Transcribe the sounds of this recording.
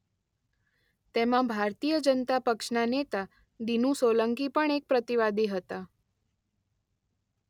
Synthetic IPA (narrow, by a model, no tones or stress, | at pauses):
t̪emãbʱaɾt̪ijəd͡ʒənt̪apəkʃnanet̪a | d̪inũsoləŋkipəɳek̚pɾət̪iʋad̪iɦət̪a